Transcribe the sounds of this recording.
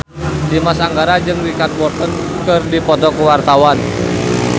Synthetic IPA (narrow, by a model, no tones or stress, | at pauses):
dimasaŋɡaɾad͡ʒɨŋwikan̚bɔrt̪ɔn | kɨrdipɔt̪ɔkəwart̪awan